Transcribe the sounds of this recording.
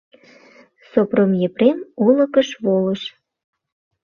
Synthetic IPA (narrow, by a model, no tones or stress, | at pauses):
sopromjepremolə̆kəʃβoləʃ